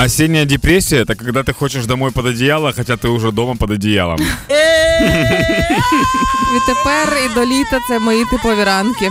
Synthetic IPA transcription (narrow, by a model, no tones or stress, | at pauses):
ɐsʲenʲːɪjədʲɪpɾʲesʲːɪjəɛt̪əkɐɡd̪at̪ɨxot͡ɕɪʂd̪ɐmo̞jpəd̪ɐdʲɪjalˠəxɐtʲat̪ɨʊʐɛd̪oməpɐd̪ɐdʲɪja̰lˠə̰m | vʲɪt̪ɨpɛrid̪olʲit̪ɐt̪ɛmɐit̪ɨplˠɐvʲɪɾankʲɪ